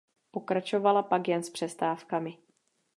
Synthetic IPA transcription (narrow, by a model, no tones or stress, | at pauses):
po̞kɾat͡ʃovalapakjɛnspr̝̥ɛst̪aːfkamɪ